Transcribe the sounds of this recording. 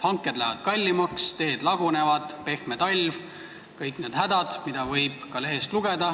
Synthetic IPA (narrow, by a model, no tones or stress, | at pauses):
hɑŋkːˑe̞d̪læ̰ɦvɑd̪̥kɑlʲːimɑkst̪e̞ːd̪̥lɑɡ̥une̞vɑd̪̥pe̞xmet̪ɑlʲv | kɤjkˑne̞ːd̪̥hæd̪̥ɑd̪̥mid̪̥ɑvɤjb̥kɑle̞ɦe̞st̪luɡ̥e̞d̪̥ɑ